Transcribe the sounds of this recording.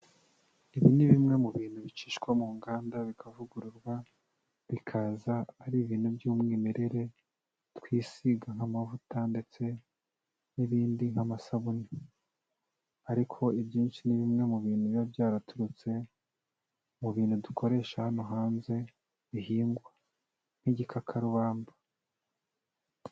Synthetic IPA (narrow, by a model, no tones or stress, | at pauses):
iβiniβimŋe̞muβiːn̥huβit͡ʃiːʃkwomuːŋɡaːndaβikʰavuɡuɾuɾɡwa | βikʰazaːɾiβiːn̥hubjuːmŋiːme̞ɾe̞ɾe̞ | tkwiːsiɡaŋhamavutande̞t͡se̞ | niβiːndiŋ̥hamasaβuni | aɾikʰo̞ibjiːnʃiniβimŋe̞muβiːn̥hujabjaːɾatuɾut͡se̞ | muβiːnhudukʰo̞ɾe̞ːʃahano̞ɦaːnze̞ | βiɦiːŋɡwa | n̥hiɟikʰakʰaɾuβaːmba